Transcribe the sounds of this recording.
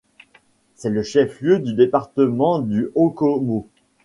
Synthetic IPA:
sɛləʃɛfljød̪yd̪epaʁt̪əmɑ̃d̪yʔokɔmo

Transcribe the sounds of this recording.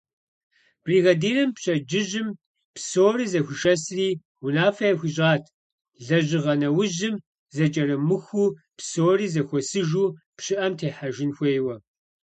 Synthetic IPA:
b̥riːɣɐdeːɾɐmpɕʼɐd͡ʒɪʒɪm | psoːriːzɐxʷʊʃɐsriː | wʊnaːfɐjɐxʷiɕ̬ʼaːtʰ | ɮɐʑɪʁɐnɐwʊʑɪm | zɐt͡ʃʼɐɾɐmɨxuː | psoːriːzɐxʷɔsɨʒuː | pɕɪʔɐmtʰeːħaʒɪnxʷeːjwɐ

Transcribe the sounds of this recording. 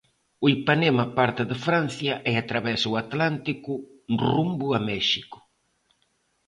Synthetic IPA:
uipanemapaɾt̪ɪðɪfɾan̟θjɐʔɛat̪ɾaβɛsuat̪lant̪ikʊrumbʊamɛʃikʊ̥

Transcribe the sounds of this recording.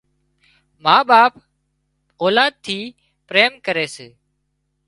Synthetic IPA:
mãːɓaːp | oːlaːd̪̚t̪ʰiː | pɾeːmkəɾeːseː

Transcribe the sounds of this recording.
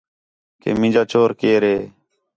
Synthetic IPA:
kḛːmɪ̃d͡ʒaːt͡ʃoːɾkeːɾeː

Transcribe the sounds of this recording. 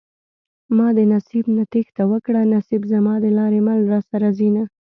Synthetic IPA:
mɑd̪ənasibnat̪ext̪awəkɽanasibzamɑd̪əlɑɾemalɾɑsaɾazina

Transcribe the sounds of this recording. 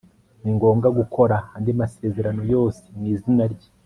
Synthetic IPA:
niŋɡo̞ːŋɡaɡukʰo̞ɾahandimase̞ːze̞ɾano̞jo̞ːse̥niːzinaɾɟa

